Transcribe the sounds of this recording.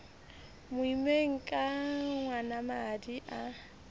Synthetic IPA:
mʊimeŋ̩kʼaŋwanamadiʔa

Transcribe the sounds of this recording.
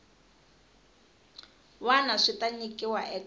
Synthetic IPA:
wanaʂitʼaɲikʼiwaʔɛk

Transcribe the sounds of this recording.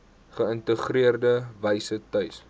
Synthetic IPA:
χəəntəχriərdəvəjsətœɥs

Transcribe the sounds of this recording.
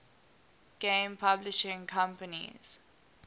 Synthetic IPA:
ɡ̥ẽmpʰablɪʃɪ̃ŋkʰãmpənḭz̥

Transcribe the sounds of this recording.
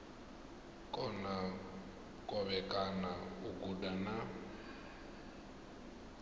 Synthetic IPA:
kʼɔna | kʼɔβɛkʼanauɡudana

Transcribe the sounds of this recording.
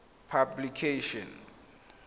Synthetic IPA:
pʰablikʰeʃɔn

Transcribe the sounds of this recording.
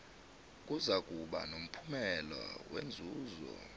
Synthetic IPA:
k̬ʼuzakʼuɓa̰nom̩pʰumɛlɔwend͡zʱuːzɔ̰

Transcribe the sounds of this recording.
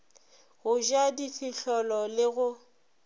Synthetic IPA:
ɣʊʒadifiɬɔlɔlɪɣʊ

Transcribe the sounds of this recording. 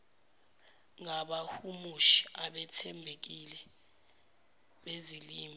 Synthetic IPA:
ŋaɓahumuʃi̥aɓɛtʰɛmbʱek̬ilɛ | ɓeziliːm

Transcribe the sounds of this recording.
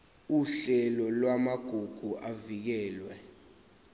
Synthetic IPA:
uɬɛlɔlwamaɡ̥ʱuɡ̥ʱuʔavik̬ɛːlwɛ

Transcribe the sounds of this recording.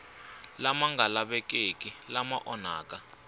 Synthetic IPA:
lamaŋɡalaɓɛkekʼilamaʔɔnaːka

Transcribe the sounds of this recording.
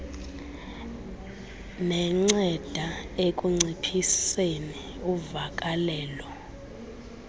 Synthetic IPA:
nɛŋ͡ǀɛd̥ʱaekʼuŋ͡ǀipʰiseni | uvakʼalɛːlɔ

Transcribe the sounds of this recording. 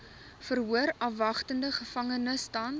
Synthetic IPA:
fərɦuəɾɐfvɐχtəndəχəfɐŋənəstɐn

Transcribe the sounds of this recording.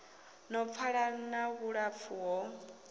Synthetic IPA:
nɔp̪fʰaɺanaɣuɺap̪fʰuɦɔ

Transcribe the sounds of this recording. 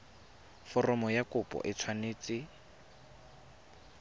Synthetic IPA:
fɔrɔmɔjakʊpʼɔ̰ʔɪt͡sʰwaneːt͡sɪ

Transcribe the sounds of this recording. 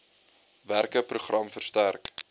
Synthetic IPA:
værkəpruχrɐmfərstærk

